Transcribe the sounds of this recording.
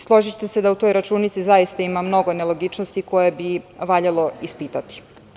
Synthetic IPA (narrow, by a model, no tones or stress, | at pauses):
slˠo̞ʒit͡ɕt̪ese̞d̪aut̪o̞jɾat͡ʃuːnit̪sizajist̪aimamno̞ɡo̞nelo̞ɡit͡ʃnost̪iko̞jebiʋaʎalo̞ispit̪at̪i̥